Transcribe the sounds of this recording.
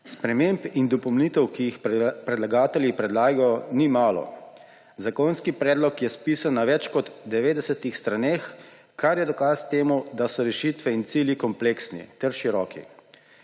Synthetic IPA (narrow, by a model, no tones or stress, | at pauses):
spɾɛmeːmpind̪ɔpɔwnit̪ɛwkijixppɾɛd̪laɡaːt̪ɛljipɾɛd̪laːɡajɔnimaːlɔ̰ | zakɔnskipɾɛːd̪lɔkjɛspiːsanːaʋɛt͡ʃkɔd̪ːɛʋeːd̪ɛsɛt̪ixst̪ɾanex | kaɾjɛd̪ɔkast̪eːmud̪asɔɾɛʃit̪ʋɛint̪siːljikɔmpleːksnḭt̪ɛɾʃiɾɔːkḭ